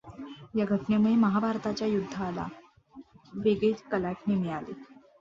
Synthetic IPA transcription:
jaɡʱəʈɳjamuɭeməɦabʱaɾt̪at͡ɕjajud̪ʱːaːla̰ | ʋeɡet̪kəlaʈnemiɭale

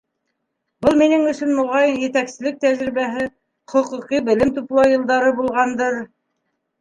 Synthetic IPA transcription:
bɤlˠminɘŋɵ̆sɵnmŏʁɑjnjɘ̆t̪æksɘ̆lɘk̚t̪æʒɾiβæɦɘ | χŏqŭqibɘ̆lɘmt̪uplˠɑwjɤ̆lˠd̪ɑɾɤbulˠʁɑnd̪ɤɾ

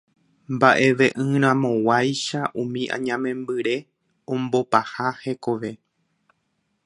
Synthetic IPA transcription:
mbaʔe̞ʋe̞ʔɨ̃ɾ̃ãmõ̞wajʃaʔũmĩʔã̰ɲãmẽ̞mbɨɾe̞ | õmbopahahe̞ko̞ʋe̞

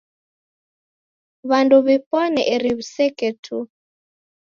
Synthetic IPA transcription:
βanduβipɔnɛ̰ʔɛɾiβusɛkɛtʰu

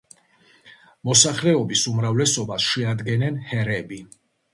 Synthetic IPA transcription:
mɔsaχlɛɔbisumɾavlɛsɔbasʃɛad̪ɡɛnɛnhɛɾɛbi

